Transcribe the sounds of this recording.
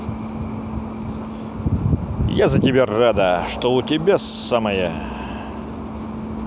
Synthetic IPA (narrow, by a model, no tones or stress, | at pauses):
jazɐtʲɪbʲerad̪əʂt̪oʊtʲɪbʲasaməjə